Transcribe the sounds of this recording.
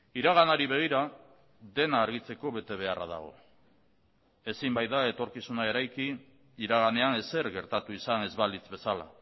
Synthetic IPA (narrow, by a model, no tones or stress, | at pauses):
iɾaɣ̞anaɾiβe̞ɣ̞iɾa | d̪e̞naːɾɣ̞it͡se̞ko̞βe̞t̪e̞β̞e̞ara̰ða̰ɣ̞o̞̰ | e̞simbajðae̞t̪o̞ɾkisunae̞ɾajki | iɾaɣ̞ane̞ane̞se̞ɾɣe̞ɾt̪at̪uisane̞zβalit͡sβe̞sala̰